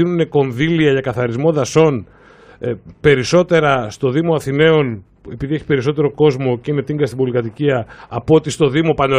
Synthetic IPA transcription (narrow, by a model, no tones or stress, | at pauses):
inune̞ko̞nðiliɐʝɐkɐθɐɾizmo̞ðɐso̞n | pe̞ɾiso̞t̪e̞ɾɐst̪o̞ðimo̞ɐθine̞o̞n | e̞piðie̞çi̥pe̞ɾiso̞t̪e̞ɾo̞ko̞zmo̞ceine̞t̪iŋɡɐst̪ibo̞likɐt̪iciɐːpot̪ist̪o̞ðimo̞pɐno